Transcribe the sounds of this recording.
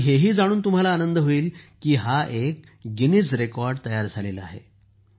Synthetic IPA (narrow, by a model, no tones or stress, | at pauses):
ɦeɦiːd͡zaɽ̃uːnt̪um̤alaːnənd̪əɦoiːlkiːɦaʔek̚ | ɡinit͡sɾekɔɾɖt̪əjaɾd͡zʱalela̰ɦḛ